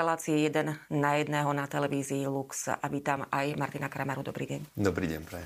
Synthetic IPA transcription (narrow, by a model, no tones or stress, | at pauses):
ɛlaːt͡siɛjɛd̪ɛnnajɛd̪nɛːɦɔnat̪ɛlɛʋiːziːluksa̰ʋiːt̪amajmaɾt̪inakɾamaɾud̪ɔ̰bɾiːɟɛɲd̪ɔbɾiːɟɛ̰ɲpɾɛ